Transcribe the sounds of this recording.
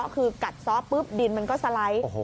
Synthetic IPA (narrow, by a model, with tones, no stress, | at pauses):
ʔkʰɯː˧ka˨˩t̪̚sɔː˦˥pːɯ˦˥p̚di˧nma˧nkɔː˥˩sa˧la˧˥j